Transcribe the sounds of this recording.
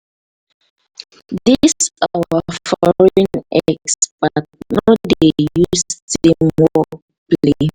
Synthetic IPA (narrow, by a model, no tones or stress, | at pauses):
disawafɔɹĩnɛksb̥at̚nɔdeejustimɔ | pli